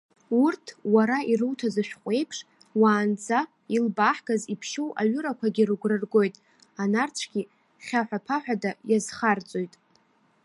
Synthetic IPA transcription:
urtʰwaɾaʔiɾɨwtʰazɨʃᶣχʷʼe̞jpʰʂ | waːnd͡za | ilbaħɡ̥azipʰʃowʔaɥʊɾakʷʰaɡʲirɡʷrɨrɡo̞jtʼ | anart͡sʷʰɡ̥ʲi | χʲaħʷᶣapʰaħʷᶣadajazχart͡sʼo̞jtʼ

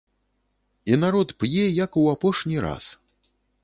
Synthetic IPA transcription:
inaɾɔt̪pjɛjɐkuapɔʂnʲiɾa̰s

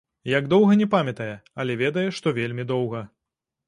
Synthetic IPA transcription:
jaɡd̪ɔwɣɐnʲɛpamʲɛt̪ɐjɛɐlʲɛvʲɛd̪ɐjɛʂt̪ɔvʲelʲmʲid̪ɔwɣɐ

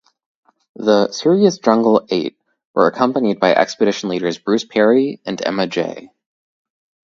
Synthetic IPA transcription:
ðəsɪɹiɨsd̥ʒ̥ʌ̃ŋɡl̩ˠeɪt̚ | wə̰˞ɨkʰʌ̃mpənid̚baɪʔɛ̰kspɨɾɪʃn̩liɾə˞zbɹʉspʰɛɹiɨ̃nɛ̰mɨd͡ʒḛɪ

